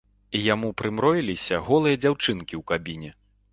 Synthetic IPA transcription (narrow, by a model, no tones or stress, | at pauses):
ijamupɾɨmɾɔjilʲisʲɐɣɔlˠɨjɐd͡zʲawt͡ʂɨnkʲiwkabʲinʲɛ